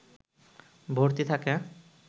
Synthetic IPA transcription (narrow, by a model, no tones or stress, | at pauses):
bʱoɾt̪it̪ʰake